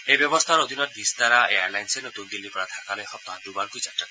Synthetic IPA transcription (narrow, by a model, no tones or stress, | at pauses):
ejbɔbost̪ʰaɾod̪ʱinɔt̪̚bist̪aɾaeaɾlajnsenot̪und̪ilːipɾad̪ʰʱakaleɦɔt̪ɔɦãɖubankujt͡ʃaʈːakɔ